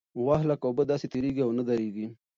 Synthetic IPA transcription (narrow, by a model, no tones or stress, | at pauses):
waɦlakobəd̪aːsit̪iɾiɡiawnəd̪aɾiɡi